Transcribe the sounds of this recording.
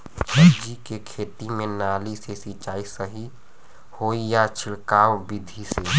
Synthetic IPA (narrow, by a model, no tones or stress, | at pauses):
d͡ʒikekʰeːt̪imẽnaːlisesit͡ʃaːisəɦi | hoːijat͡ʃʰɪɽkaːwbid̪ʱise